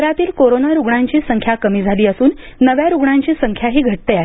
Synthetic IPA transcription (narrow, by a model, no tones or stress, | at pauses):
ɾat̪iːlkoɾonaɾuɡɳãɲt͡ɕiːsəŋkʰjakəmiːd͡zʱaliːəsuːnːəʋjaɾuɡɳãɲt͡ɕiːsəŋkʰjaɦiːɡʱəʈ̚t̪eaɦ